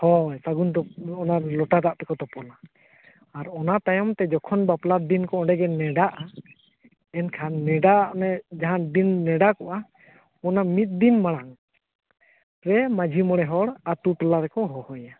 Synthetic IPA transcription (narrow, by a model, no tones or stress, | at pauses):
hɔsaɡuntɔɔnaɾlɔʈad̪aʔt̪ɛkɔt̪ɔpɔlaː | ɾɔnat̪ajɔmt̪ɛd͡ʒɔkʰɔnbaplad̪inkɔɔ̃ɖɛɡɛnɛɖaʔa | ɛnkʰanːɛɖanɛd͡ʒaɦand̪inːɛɖakɔʔa | ɔnamit̪̚d̪inmaɽ̃aŋ | ɾɛmad͡ʒʱimɔɽɛɦɔɽatuʈɔlaɾɛkɔɦɔhɔja